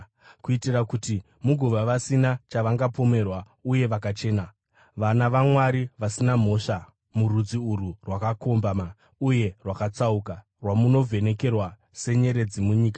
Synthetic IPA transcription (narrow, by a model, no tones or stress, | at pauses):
kuitirakuti | muɡʱuʋaʋasinat͡ʃaʋaŋɡapo̞me̞rwa | uje̞ʋakat͡ʃe̞ːna | ʋanaʋamwaɾiʋasinam̤o̞ʂa | murud͡ziururwakako̞mbama | uje̞rwakat͡sauka | rwamuno̞vʱe̞ne̞ke̞rwa | se̞ɲe̞ɾe̞d͡zimuɲiːka